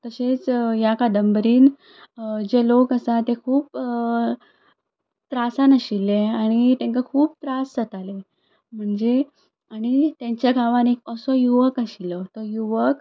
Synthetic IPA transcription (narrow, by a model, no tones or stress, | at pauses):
t̪əɕet͡sjakad̪əmbəɾiːn | d͡ʑelokəsat̪ekʰuːp̚ | t̪ɾasanəɕilːeaɽ̃it̪ẽŋkakʰuːp̚t̪ɾasət̪ale | m̤əɳd͡ze | aɽ̃it̪jãɲt͡ɕjaɡʱaʋanek̚əsɔjuʋəkaɕilɔt̪ɔjuʋək